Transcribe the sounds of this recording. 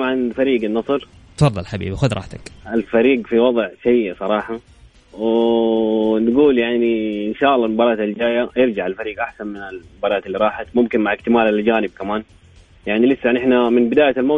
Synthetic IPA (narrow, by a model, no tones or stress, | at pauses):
mʕanfaɾiːɡanːɑsˤɨɾ | t̪fɑdˤɑlħabḭːbixʊd̪ɾˤɑ̰ːħt̪akalfaɾiːɡfiwɑðˤʕʃajːsˤɑɾˤɑːħɑ | w | nɡuːljaʕniɪnʃaːʔɑlːɑlmʊbɑːɾˤɑːt̪ɪld͡ʒaːjajɪɾd͡ʒaʕalfaɾiːɡʔaħsanmɪnalmʊbɑːɾˤɑːt̪ɪlːiɾˤɑːħat̪mʊmkɪnmaʕɪkt̪ɪmaːlald͡ʒaːnɪb̚kamaːn | jaʕnilɪsːajaʕnʔɪħnamɪnbɪd̪aːjalmoː